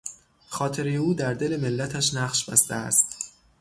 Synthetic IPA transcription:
xɒːt̪ʰe̞ɾejeuːd̪æɾd̪e̞le̞me̞lːæt̪ʰæʃnæχʃb̥æ̰st̪eæ̰st̪

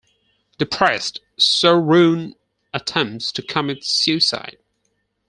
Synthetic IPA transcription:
d̥ɨpʰɹ̥ɛst | soʊɹʉ̃n | ətʰɛ̃mp̚tstʰɨkʰʌ̃mɨtsjʉsa̰ɪt̚

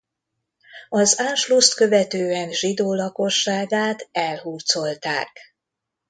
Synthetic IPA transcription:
ɒzaːnʃlust̪kø̞vɛt̪øːɛnʒid̪oːlɒko̞ʃːaːɡaːt̪ɛlɦuːrt̪so̞lt̪a̰ːk

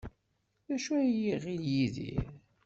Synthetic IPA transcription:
ðæʃujiʁiljiðḭɾ

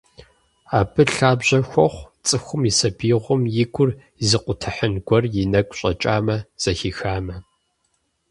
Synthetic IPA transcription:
aːbɨɬaːbʑɐxʷɔχʷt͡sʼɨxʷʊmisɐbiːʁʷʊmjɪɡʷʼʊr | zɨqʷʊtʰɨħənɡʷɔrjɪnɐkʷʼɕʼɐ̰t͡ʃʼa̰ːmɐz̥ɐxixaːmɐ

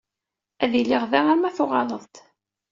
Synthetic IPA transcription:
æðilːiʁðæʁaɾmæθʊʁɑləðˤt̪

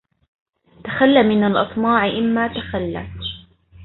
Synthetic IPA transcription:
t̪axalːamɪnalʔɨt̪ˤmɑːʕɪʔɪmːaːt̪axalːa̰

